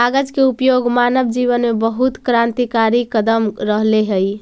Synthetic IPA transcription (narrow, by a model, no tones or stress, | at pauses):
aɡəd͡ʒkeupjoɡmanəbd͡ʒiβənmebəɦut̪kɾant̪ikaɾikəd̪əmɾəɦleɦəj